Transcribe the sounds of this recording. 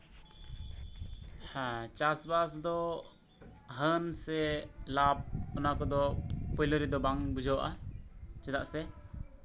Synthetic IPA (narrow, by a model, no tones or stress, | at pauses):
hat͡ʃasbasd̪ɔ | ɦənsɛlap̚ɔnakɔd̪ɔpɔjləɾɛd̪ɔbaŋbud͡ʒɔwaʔat͡ʃɛd̪aʔsɛ